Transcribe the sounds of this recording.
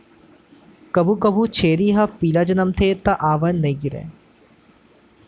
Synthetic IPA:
kɐbʱukɐbʱut͡ʃʰeːɾiɦɐpiːlad͡ʒɐnɐmt̪ʰeːt̪ɐʔaːʋɐnnɐiɡiɾḛː

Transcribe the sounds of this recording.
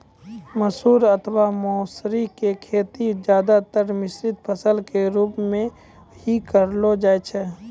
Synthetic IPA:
məsuːɾət̪ʰwamɔːsɾikekʰeːt̪id͡ʒjaːd̪at̪əɾmɪsɾɪd̪̚pʰəsəlkeɾuːpmẽ | hikəɾlod͡ʒaːet͡ʃʰɛ

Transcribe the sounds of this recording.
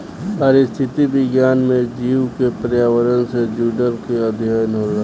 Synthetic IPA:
pəɾɪst̪ʰɪt̪ibɪɡjaːnmẽd͡ʒiːwkepɾjaːʋəɾənsed͡ʒuːɖəɾkeəd̪ʱjəjənɦoɾa

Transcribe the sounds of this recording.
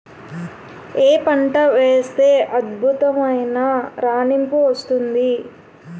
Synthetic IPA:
eːpɐɳʈɐʋeːst̪e̞ːʔɐd̪bʱut̪ɐmɐjnaɾaːnimpuʋɐst̪und̪i

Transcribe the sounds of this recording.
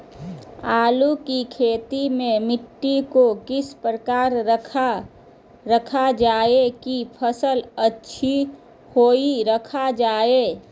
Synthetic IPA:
aːlukikʰeːt̪imẽmɪʈːikokɪspɾəkaːɾʰ | ɾəkʰad͡ʒaːekipʰəsələtːʃʰi | hoːiɾəkʰad͡ʒaːeː

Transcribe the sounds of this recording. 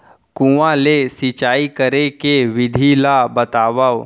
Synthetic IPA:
kũãlesit͡ʃaːikəɾekeʋɪd̪ʱilabɐt̪aːʋaw

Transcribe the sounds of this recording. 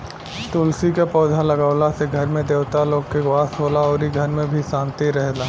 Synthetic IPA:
t̪oːlsikapɔːd̪ʱalɐɡaːʊlaseɡʱɐɾmẽd̪eːwt̪aloːɡkeɡwaːsɦoːlaɔːɾiɡʱɐɾmẽbʱiʃãːnt̪iɾɛɦlaː

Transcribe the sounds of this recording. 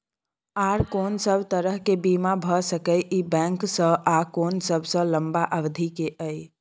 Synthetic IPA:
aɾkonsəbʱt̪əɾəɦkebimabʱəsəkəjʔibɛ̃ŋksə̃akonsəbʱsə̃ləmbaʔəbd̪ʱikeʔəj

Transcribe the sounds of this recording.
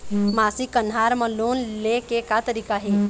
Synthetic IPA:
maːsikənɦaɾmə̃loːnlekekat̪əɾikaɦe

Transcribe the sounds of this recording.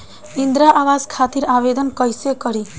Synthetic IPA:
ind̪ɾaʔabazkʰat̪iɾabed̪ɔnkɔjsekɔɾi

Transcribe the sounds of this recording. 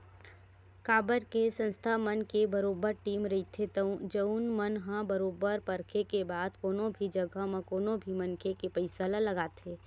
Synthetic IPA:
kaːbəɾkesə̃nst̪ʰamənkebɐɾoːbəɾʈiːmɾɐit̪ʰet̪əũd͡ʒənmənɦãbɐɾoːbəɾpɐɾkʰekebaːd̪koːnõbʱid͡ʒɐɡʱamẽkoːnõbʱimɐnkʰekepəɪsəlãlɐɡaːt̪ʰeː

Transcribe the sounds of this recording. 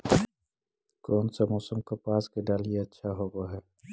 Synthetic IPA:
kɔːnsamɔːsəmkepaːskeɖaːljeɐtːʃʰaɦoɡoɦɛː

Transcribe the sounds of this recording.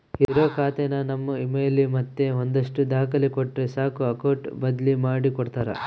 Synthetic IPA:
iiɾoːkaːt̪enɐnɐmːuimejɐlːimɐt̪ːeɦond̪ɐʂʈud̪aːkɐlikɔʈːɾesaːkuɐkɐwʈbɐd̪limaːɽikɔɽt̪aːɾɐ̰

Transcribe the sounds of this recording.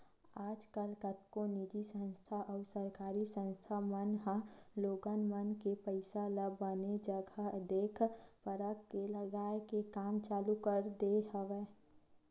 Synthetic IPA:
aːd͡ʒkəlkət̪konid͡ʒisə̃nst̪ʰaʔɔːɾsəɾkaːɾisə̃nst̪ʰamənɦãloːɡənmənkepəɪsaləbəned͡ʒəɡʱəd̪eːkʰpəɾəkːeləɡaːekekaːmt͡ʃaːlukəɾd̪eɦəʋeː

